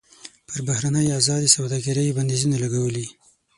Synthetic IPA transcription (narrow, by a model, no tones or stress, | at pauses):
pəɾbahɾanəjazɑd̪isawd̪ɑɡaɾəjband̪izunalaɡawəli